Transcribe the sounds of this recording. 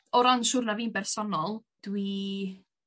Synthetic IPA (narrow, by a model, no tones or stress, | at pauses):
ɔɾɔnʃʊrnaviːnbɛrsɔnɔlˠd̥wi